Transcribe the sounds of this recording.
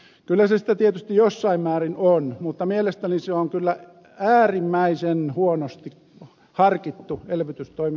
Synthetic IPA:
kylːæsesĭ̥t̪æt̪iet̪yst̪ijjosːɑimmæːrinonmut̪ːɑmielest̪æniseoŋkylːæ | æːrimːæisenhuonost̪ik | hɑrkit̪ːuelʋyt̪yst̪oim

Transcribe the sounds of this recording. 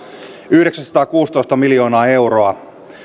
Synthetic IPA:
yhdeksænsɑ̥t̪ɑːkuːst̪o̞ist̪ɑmiljo̞ːnɑːe̞wroɑ

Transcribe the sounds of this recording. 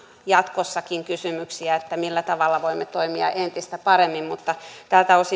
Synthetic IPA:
jɑt̪kosːɑkiŋkysymyksiæet̪ːæmilːæt̪ɑʋɑlːɑʋoimːet̪oimiɑ̰ʔent̪ist̪æpɑɾemːimmut̪ːɑt̪æːlt̪æosi

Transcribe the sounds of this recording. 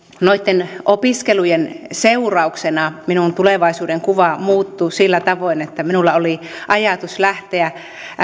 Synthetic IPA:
noit̪ːenʔopiskelujenseurɑuksenɑminunt̪uleʋɑˑisuːdeŋkuʋɑmuːt̪ːusilːæt̪ɑʋoˑinet̪ːæminulːɑoliʔɑjɑt̪uslæht̪eæ

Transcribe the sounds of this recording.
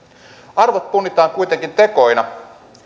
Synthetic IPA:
ɑrʋot̪̚punːit̪ɑːŋkujt̪eŋkint̪e̞ko̞jnɑ

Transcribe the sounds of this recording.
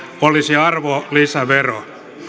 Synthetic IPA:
olisiɑrʋolisæʋero̰

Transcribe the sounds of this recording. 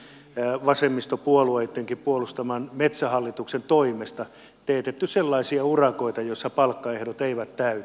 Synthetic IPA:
ʋɑsemːist̪opuolueit̪ːeŋkippuolust̪ɑmɑnmet̪sæhɑlːit̪uksent̪oimest̪ɑ | t̪eːt̪et̪ːyselːɑisiɑurɑkoit̪ɑjoisːɑpɑlkːɑehdot̪eiʋæt̪t̪æyt̪

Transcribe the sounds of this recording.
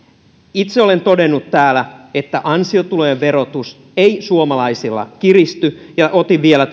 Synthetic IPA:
it̪seole̞nt̪o̞denːut̪ːæːlæet̪ːæʔɑnsiot̪ulojeʋʋe̞ɾo̞t̪us | eisuomɑlɑisilːɑ̰kirist̪yjɑʔot̪iʋielæ

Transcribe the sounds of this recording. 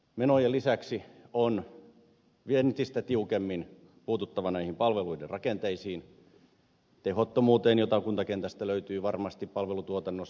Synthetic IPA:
menojelisæksion | ʋient̪ist̪æt̪iukemːin | puːt̪ut̪ːɑʋɑnæihimpɑlʋeluiderrɑkent̪eisiːn | t̪ehot̪ːomuːt̪eːnjot̪ɑkunt̪ɑkent̪æst̪æløyt̪yːʋɑrmɑst̪ippɑlʋelut̪uot̪ɑnːos

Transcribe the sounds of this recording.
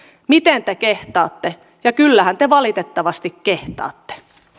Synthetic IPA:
mit̪ent̪ekeht̪ɑ̰ːt̪ːe | jɑkylːæhænt̪eʋɑlit̪et̪ːɑʋɑst̪ikkeht̪ɑ̰ːt̪ːe̥

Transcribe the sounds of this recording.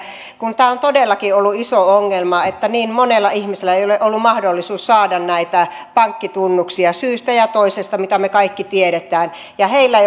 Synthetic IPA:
kunt̪æːont̪odelːɑkiolːuisooŋːelmɑet̪ːæniːmmonelːɑihmiselːæeijoleʔolːummɑhdolːisuːssɑːdɑnnæit̪æ | pɑŋkːit̪unːuksiɑsyːst̪æjɑt̪oisest̪ɑmit̪æmekɑikːit̪ieɾet̪æːn | jɑheilːæei

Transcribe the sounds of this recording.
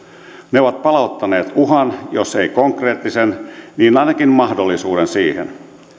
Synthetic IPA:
neoʋɑt̪̚pɑlɑut̪ːɑneːt̪uɦɑnjose̞ikoŋkre̞ːt̪ːisenniːnɑjnɑkinmɑhdolːisuːdensiːhḛn

